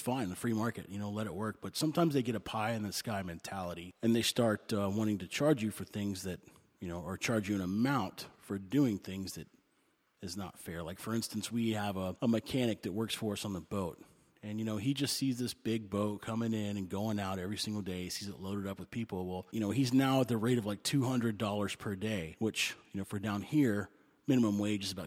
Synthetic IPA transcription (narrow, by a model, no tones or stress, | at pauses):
sfãɪ̃nɨfɹimɑɹkɨ̰ʔ̚jɨñoʊlɛɾɨʔ̚wɜ˞k̚b̥ʌtsʌ̃mtʰãɪ̃mzðeɪɡɛɾɨpʰaɪɨ̃nðɨskaɪmɛ̃ntʰælˠəɾiɨ̃nðeɪstɑɹtʌwɑ̃ɾ̃ɪ̃ŋtɨt͡ʃʰɑɹd͡ʒɨfə˞θɪ̃ŋzðɨt̚ | jɨnoʊə˞t͡ʃʰɑɹd͡ʒɨɨ̃nəmãʊ̃ntfə˞dʉɪ̃ŋθɪ̃ŋzðɨɾ | ɨznə̰tfɛɹlaɪkfə˞ɪ̃nstn̩swiəvəəmɨkʰæɾ̃ɨk̚ðɨt̚wɜ˞ksfə˞ʌsn̩ðəboʊt̚ | ɨ̃njɨñoʊid͡ʒʌstsizðɪsb̥ɪɡ̚boʊt̚kʰʌmɪ̃ŋɪ̃nɨ̃nɡoʊɪ̃ŋaʊɾɛvɹisɪ̃ŋɡl̩ˠdeɪsizɨtloʊɾɨɾʌpwɨð̥pʰipl̩ˠwɛlˠjɨnoʊiznaʊət̪̚ðɨɹeɪɾʌvlaɪk̚tʰʉɦʌ̃ndɹɨdɔlˠə˞z̥pʰə˞deɪwɪt͡ʃjɨnoʊfə˞dãʊ̃nhiɹ | mɪ̃ñɨmə̃mweɪd͡ʒɨzəbaʊ